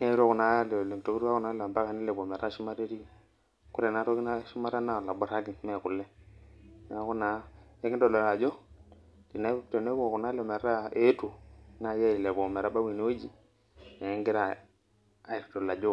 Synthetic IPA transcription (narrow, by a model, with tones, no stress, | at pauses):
ne˦ɾo˦˨ku˨na˨˦lle˨ŋ˨to˨ku˦ɾu˦a˦ku˨na˨˦la˨ba˦ka˨ni˦le˨bo˨me˨ɾa˦˨ʃu˦ma˦ɾe˦ɾi˦ | ku˦ɾe˨na˦ɾo˦ki˦na˦ʃu˦ma˦ɾa˦na˦˨la˨bɔ˦ɾa˦ɡi˨˦me˦˨ku˨lɛ˦˨ | na˦ku˦na˨˦e˦ɡi˦do˨lo˨la˨d͡ʒo˦ | di˨na˦pte˨ne˦u˦˨ku˨na˦lo˨me˨ɾa˦e˨˦tu˨˦na˨ja˦i˨le˨bo˨me˨ɾa˦ba˦wi˨n˦o˦d͡ʒi˨˦ | ŋɡi˦ɾa˨ | a˦i˨ɾto˨la˨d͡ʒo˦